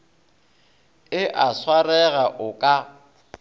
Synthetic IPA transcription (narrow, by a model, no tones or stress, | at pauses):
ɪʔaswarɛɣaʔʊkʼa